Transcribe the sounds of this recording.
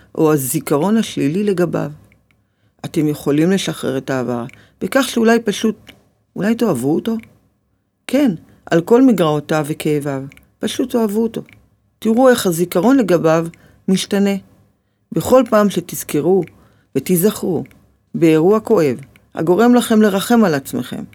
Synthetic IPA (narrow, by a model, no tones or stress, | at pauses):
ʔo̞azikaʁo̞naʃlilile̞ɡaba̰v | ate̞mje̞χo̞limle̞ʃaχʁeʁetaːva̰ʁ | b̥ekaχʃeulajpaʃut̚ | ulajto̞avuoto̞ | kʰe̞n | ʔa̰lko̞lmiɡʁaotavekʰeːvav | paʃuto̞avuoto̞ | tiʁue̞χhazikaʁo̞nle̞ɡabav | miʃtane̞ | be̞χo̞lpaːmʃe̞tiz̥keʁu | vetizaχʁu | beːʁuako̞e̞v | a̰ɡo̞ʁe̞mlaχe̞mle̞ʁaχe̞malat͡smeχe̞̰m